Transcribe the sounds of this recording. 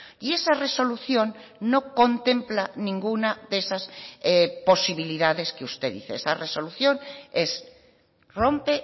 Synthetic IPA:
ie̞sare̞so̞luθjõ̞nːo̞ko̞nt̪ẽ̞mplanĩŋɡunaðesas | po̞siβiliðaðe̞skeust̪e̞ðḭθeesareso̞luθjo̞ne̞s | ro̞mpe

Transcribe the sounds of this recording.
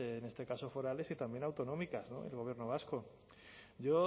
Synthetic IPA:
ne̞st̪e̞kaso̞fo̞ɾale̞sit̪ambje̞nawt̪o̞no̞mikazno̞̰ḛlɣoβje̞ɾnoβ̞asko̞ | ɟ͡ʝo̞

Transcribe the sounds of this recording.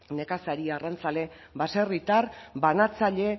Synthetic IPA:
ne̞kasaɾiarant͡sale̞ | baserit̪aɾbanat͡saʎe̞

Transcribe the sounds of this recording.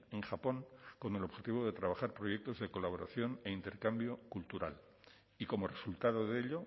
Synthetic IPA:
eŋxapo̞ŋko̞ne̞lo̞βxe̞t̪iβ̞o̞ð̞e̞t̪ɾaβ̞axaɾpɾo̞ʝe̞k̚t̪o̞zðe̞ko̞laβo̞ɾa̰θjo̞ne̞int̪e̞ɾkambjo̞kult̪uɾa̰l | iko̞mo̞re̞sult̪aðo̞ðeʎo

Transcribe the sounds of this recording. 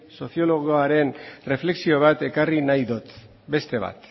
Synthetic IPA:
so̞θio̞lo̞ɣoaɾe̞nre̞fle̞ksio̞β̞at̪e̞karinajðot̪ | be̞st̪e̞βa̰t̪

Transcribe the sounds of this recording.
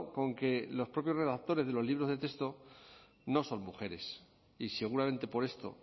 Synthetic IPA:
ko̞ŋke̞lo̞spɾo̞pjo̞zre̞ðak̚t̪o̞ɾe̞zðe̞lo̞zliβɾo̞zðet̪ekst̪o | no̞so̞nmuxe̞ɾe̞s | ise̞ɣ̞uɾamẽ̞nt̪e̞po̞ɾe̞st̪o̞̰

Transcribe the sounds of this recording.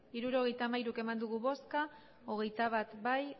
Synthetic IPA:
iɾuɾo̞ɣ̞e̞jt̪amajɾuke̞mand̪uɣuβo̞ska | o̞ɣ̞e̞jt̪aβ̞at̪baj

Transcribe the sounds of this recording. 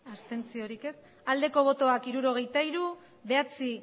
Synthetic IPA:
ast̪e̞nt͡sio̞ɾike̞s | ald̪e̞ko̞β̞o̞t̪o̞akiɾuɾo̞ɣ̞e̞jt̪aiɾu | βe̞at͡si

